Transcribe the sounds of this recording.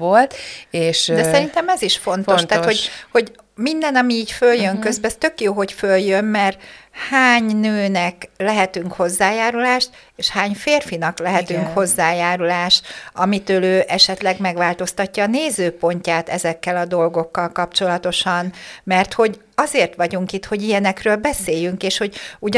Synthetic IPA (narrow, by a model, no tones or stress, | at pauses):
olt̪eːʃd̪ɛsɛɾint̪ɛmɛziʃfo̞nt̪o̞ʃt̪aːho̞ɟho̞ɟ | mind̪ɛnɒmiiːɟføljøŋkø̞zbɛɛst̪ø̞kjoːɦo̞ɟføljømmɛrt̪haːɲnøːnɛklɛɦɛt̪yŋkho̞zːaːjaːɾulaːʃt̪ | eːʃhaːɲfeːrfinɒklɛɦɛt̪yŋkho̞zːaːjaːɾulaːʃɒmit̪øːløːʔɛʃɛt̪lɛɡmɛɡʋaːlt̪o̞st̪ɒcːɒːneːzøːpo̞ɲcaːt̪ɛzɛkːɛlɒd̪o̞lɡo̞kːɒlkɒpt͡ʃo̞lɒt̪o̞ʃɒnmɛrt̪ho̞ɟ | ɒzeːrt̪ʋɒɟuŋkit̪ho̞ɟijɛnɛkrøːlbɛseːjyŋkeːʃho̞ɟuɟ